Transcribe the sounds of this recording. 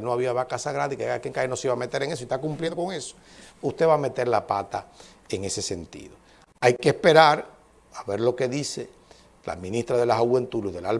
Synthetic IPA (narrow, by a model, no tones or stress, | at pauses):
noaβiaβakasaɣɾanðeikeakjeŋkajeno̞seiβame̞t̪e̞ɾeŋes̬oist̪akumpljeðd̪okoŋe̞so̥ | ust̪e̞βaːme̞t̪e̞ɾlapat̪a̰ | eŋe̞se̞se̞nt̪ḭðo | ajkespe̞ɾaɾ | aβe̞ɾlo̞ke̞ðise | la̰mĩnist̪ɾaðe̞lasaɣwe̞nt̪uluhðe̞lal